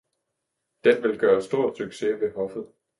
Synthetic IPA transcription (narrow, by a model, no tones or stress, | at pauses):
d̥enʋe̝lɡ̥ɶːɐsd̥o̝ɐ̰d̥syɡ̥se̝ʋe̝ɦɒ̽fð̩ˠ